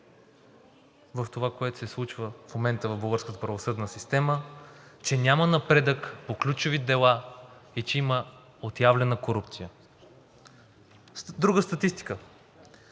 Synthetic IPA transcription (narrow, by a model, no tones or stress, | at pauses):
vəft̪ovakoɛt̪ʊ̥sɛslˠut͡ʃvəfmomɛnt̪əvəvbəlˠɡəɾskət̪əpɾɐvosɤd̪nəsist̪ɛmət͡ʃɛnʲjamənɐpɾɛd̪əkpoklʲut͡ʃʊvid̪ɛlˠait͡ʃɛimə | ot̪javlʲɛnəkoɾupt̪sijə | d̪ɾuɡəst̪ɐt̪ist̪i̥kə